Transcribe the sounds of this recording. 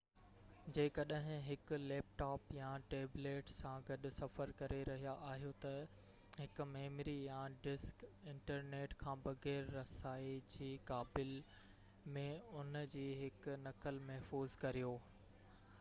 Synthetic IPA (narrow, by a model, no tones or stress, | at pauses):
d͡ʑeːkɐɗɦɪ̃ɦɪkʊlɛːp̚ʈaːpjaʈeːbleːʈsãɡɐɗʊ̆sɐfəɾkɐɾeɾɐɦijaʔaːɦijot̪ɐ | ɦɪkʊmeːmɾijãɖɪskɪ̃ɳʈəɾneːʈkʰãːbɐɣɛːɾːɐsaːid͡ʑiːkaːbɪl | mẽʊnd͡ʑiːɦɪkʊnɐkəlmɐɦfuːzkɐɾijoː